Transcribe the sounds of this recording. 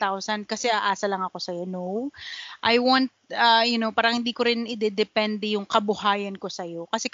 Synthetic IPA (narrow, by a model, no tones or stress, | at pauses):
t̪awsɐnkɐsɛʔaːʔaːsɐlɐŋɐko̞sɐjonowʔajwant̪̚ʔɐjʊnopaːɾɐŋhɪnd̪iːko̞ɾɪnʔɪd̪ɛd̪ɛpɛnd̪ɛjʊŋkɐbʊhaːjɐnko̞sɐjo̞kɐsɛ